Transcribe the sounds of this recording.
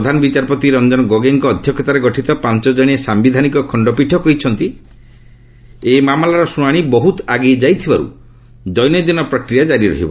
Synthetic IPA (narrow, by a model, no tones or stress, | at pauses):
d̪ʱanɔbit͡ʃaɾpɔt̪iɾɔnd͡ʒɔnɔɡoɡeŋkɔːd̪ʱjɔkʰːɔt̪aɾeɡɔʈʰit̪ɔpant͡ʃɔd͡ʒɔɽ̃iesambid̪ʱanikɔkʰɔɳɖɔpiʈʰɔkɔɦjt͡ʃʰɔnt̪i | emamlaɾɔsuɽ̃aɽ̃ibɔɦut̪aɡejd͡ʒajt̪ʰibaɾṵ | d͡ʒɔjnɔd̪inɔpɾɔkɾijad͡ʒaɾiɾɔ̰ɦḭbɔ̰